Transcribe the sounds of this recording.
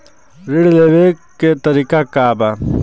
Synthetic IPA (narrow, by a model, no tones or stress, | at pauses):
ɾiɽleːwekːet̪ɐɾikakaːba